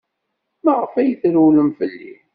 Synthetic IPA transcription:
ləʁəfæjəθɾuləmfəlːḭ

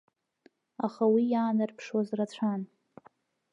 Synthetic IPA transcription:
aχawijaːnɨrpʰʂwazrat͡ɕʷʰan

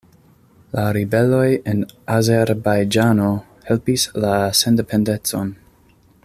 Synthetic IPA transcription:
laɾibe̞lo̞jenazeɾbajd͡ʒano̞ | helpislasendepʰendet͡son

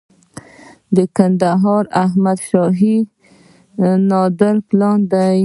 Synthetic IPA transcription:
d̪əkand̪aɦɑɾaɦmad̪ʃɑɦi | nɑd̪ɪɾplɑnd̪aj

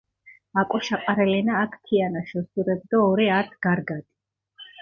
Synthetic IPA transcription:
akʼɔʃaqʼaɾɛlɛnaːkʰkʰianaʃɔsuɾɛb̚d̪aɔɾiat̪ʰɡ̥aɾɡad̪̥i̥

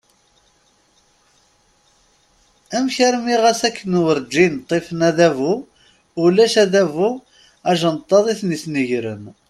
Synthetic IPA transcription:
æmçæɾmiʁæsækːənwəɾd͡ʒːint̪ˤːifnæðævu | ulæʃæðævu | æʒənt̪ˤːɑðˤiθnisnəʝɾə̰n

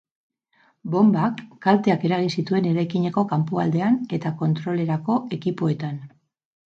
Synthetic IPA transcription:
bo̞mbakːalt̪e̞ake̞ɾaɣ̞insit̪ue̞ne̞ɾajkiɲe̞ko̞kampuald̪e̞ane̞t̪ako̞nt̪ɾo̞le̞ɾako̞e̞kipo̞e̞t̪an

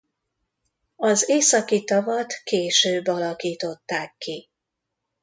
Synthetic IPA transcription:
ɒzeːsɒkit̪ɒvɒt̪keːʃøːbːɒlɒkiːt̪o̞t̪ːaːkːi

